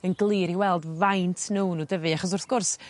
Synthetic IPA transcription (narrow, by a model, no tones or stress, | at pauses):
ənɡlˠɨːɾiwɛlˠdvajntʰnownudəvɨaχɔs̬ʊrθɡ̥ʊrs